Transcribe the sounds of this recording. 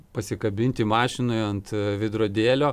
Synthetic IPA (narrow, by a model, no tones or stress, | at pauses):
pɐsʲɪkɐbʲɪnʲt̪ʲɪmɑːʃʲɪnoːɐnt̪ʋʲɪd̪ɾoːd̪ʲeːlʲoː